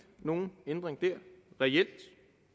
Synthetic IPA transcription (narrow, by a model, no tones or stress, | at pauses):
no̝ːn̩end̥ʁeŋd̥æɐ̰ʁɛel̰d̥